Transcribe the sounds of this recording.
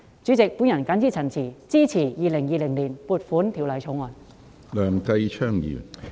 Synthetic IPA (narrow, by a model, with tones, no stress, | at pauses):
t͡sy˨˥t͡sɪ˨k̚puː˨˥njɐ˨˩nkaː˨˥nt͡siː˥˩t͡sʰɐ˨˩nt͡sʰiː˨˩t͡siː˥t͡sʰiː˨˩jiː˨˧lɪ˨˩ŋjiː˧lɪ˨˩ŋliː˨˩npuː˨˧t̚fuː˨˥nt̪ʰi˨˩wlɐ˨jt͡sʰo˨˥wŋɔː˨˧n | lœː˨˩ŋkɐ˧jt͡ʃʰœː˥ŋjḭː˨˩n